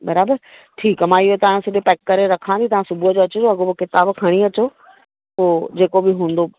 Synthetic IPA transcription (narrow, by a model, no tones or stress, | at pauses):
bɐɾaːbəɾ | ʈʰiːkmãːɪɦot̪ɐaɽ̃sɪɗopɛːkːɐɾeɾɐkʰãnd̪it̪ɐʋ̤ãsʊbʱuəd͡ʑoɐt͡ɕd͡ʑoɐɡobokɪt̪aːbkʰɐɽ̃iɐt͡ɕo | poːd͡ʑeːkobɪɦũːn̆d̪o